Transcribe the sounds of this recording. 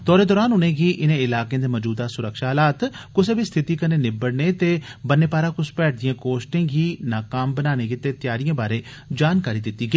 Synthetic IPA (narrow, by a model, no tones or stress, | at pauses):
t̪ɔːɾeːd̪ɔːɾaːnʊnẽːɡiːʔɪnẽːɪlaːkejãːd̪eːməːd͡ʒuːd̪aːsʊɾəkʃaːɦlaːt̪kʊseːbiːst̪ʰɪt̪iːkəneːnɪbəɽneːt̪eːbənːeːpaːɾãːkʊspɛːʈ̚ʰd̪ɪjãːkoːsʈẽːɡiːnaːkaːmbənaːneːɡiːt̪eːt̪ɪjaːɾijãːbaːɾeː | d͡ʒaːnkaːɾiːd̪ɪt̪ːiːɡeː